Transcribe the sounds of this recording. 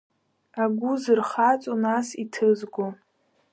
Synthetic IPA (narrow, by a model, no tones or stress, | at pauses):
aɡʷʊzɨrχat͡sʼonasitʰɨzɡʷo